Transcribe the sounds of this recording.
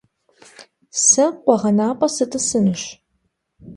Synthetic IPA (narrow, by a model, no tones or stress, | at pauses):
sɐqʷɔʁɐnaːpʼɐsɨtʰʼɨsɨnɨɕ